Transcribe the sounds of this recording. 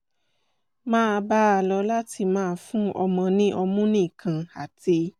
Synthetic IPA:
mãː˦˧ba˦a˧lɔ˧˦la˦ti˧mãː˦˧fũ˦ɔ̰˧mɔ̃˧nĩ˦ʔɔ˧mũ˦nĩ˦˨kʰã˨a˨ti˧

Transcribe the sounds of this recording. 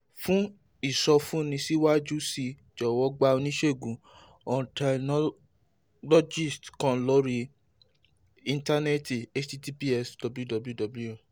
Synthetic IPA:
fũ˦ | i˦˨sɔ˧fũ˦nĩ˧si˦wa˦d͡ʒu˦si˧˨ | d͡ʒɔ˨wɔ˨˦ɡ͡ba˦o˧nĩ˦ʃe˦˨ɡũ˨˦ | ɔ̃˨tɛ˧nɔ˦ | lɔ˦d͡ʒi˦˨stkɔ̃˦˨lɔ˨˦ɾi˧ | ĩ˧nta˦ne˦ti˨e˦t͡ʃi˦ti˦pi˦ɛ˦sdɔ˧bju˦dɔ˧blu˦dɔ˨blu˦o˦˨

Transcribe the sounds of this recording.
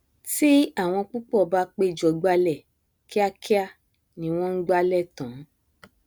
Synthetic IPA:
ti˦a˦˨w̃ɔ̃˧k͡pu˦k͡pɔ˦˨ba˦k͡pe˦˨d͡ʒɔ˨ɡ͡ba˧lɛ˦˨ | ki˦a˦ki˦a˦˨ | nĩ˧˦w̃ɔ̃˦n̩˦ɡ͡ba˦lɛ˦˨tã˨˦

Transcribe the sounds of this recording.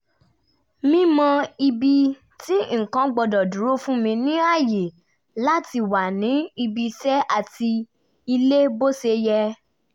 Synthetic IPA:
mĩ˦mɔ̃˧i˧bi˧ | ti˦ŋ̩˨kã˧ɡ͡bɔ˧dɔ˨dũ˨˦ɾo˦fũ˦mĩ˧nĩ˦a˦˨je˨ | la˦ti˧wa˨nĩ˨˦i˧bi˧sɛ˦ʔa˦˨ti˧ | i˧le˦bo˦se˧jɛ˧

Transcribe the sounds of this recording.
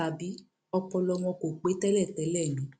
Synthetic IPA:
a˨bi˨˦ | ɔ˧pɔ˧lɔ˧w̃ɔ̃˧ko˨k͡pe˨˦tɛ˦lɛ˦˨tɛ˨˦lɛ˦˨nũ˨˦

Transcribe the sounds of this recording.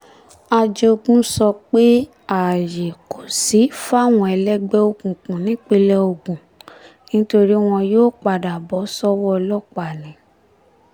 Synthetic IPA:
a˧d͡ʒo˧ɡũ˦sɔ˧k͡pe˦ | a˨je˨ko˨si˨˦fa˦˨w̃ɔ̃˧ɛ˧lɛ˦ɡ͡bɛ˦o˧kũ˨kũ˨nĩ˨˦k͡pe˧lɛ˦o˧ɡũ˨ | nĩ˦to˧ɾi˦w̃ɔ̃˧joː˦k͡pa˨da˨bɔ˨˦sɔ˦wɔ˦˧lɔ˦k͡pa˨nĩ˨˦

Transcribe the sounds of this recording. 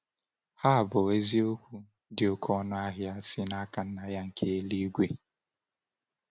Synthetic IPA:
ha˦a˨bʊ˨e˦zi˦o˦kʷu˦ | dɪ˨o˨kʰɔ˦nʊ˦a˦ɦja˦sɪ˦na˦ka˨n̩˦na˨ja˦ŋ̩˨kʰe˦e˦li˦ɡʷe˦

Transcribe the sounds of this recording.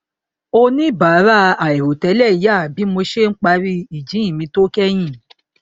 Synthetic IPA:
o˧nĩ˦ba˨˦ɾa˦a˨e˨ɾo˨tɛ˨˦lɛ˦˨i˨˦ja˦˨bi˨˦mo˧ʃe˦ŋ̩˦k͡pa˧˦ɾi˦i˨d͡ʒĩ˨˦ĩ˦˨mĩ˧to˦kɛ˦j̃ĩ˦˨

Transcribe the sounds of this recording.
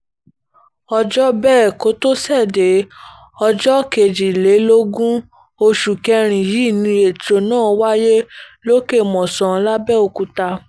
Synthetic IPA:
ɔ˧d͡ʒɔ˦bɛː˦˨ko˨˦to˦sɛ˦˨de˨˦ | ɔ˧d͡ʒɔ˦ke˨d͡ʒi˨le˨˦lo˦ɡũ˦ | o˧ʃu˨kɛ˧ɾ̃ĩ˨ji˨˦˨nĩ˧e˨tɾo˨nãː˦˨˦wa˦je˦lo˦ke˦˨mɔ̃˨sɔ̃˨˧˦la˦bɛ˦o˧ku˨˧ta˧

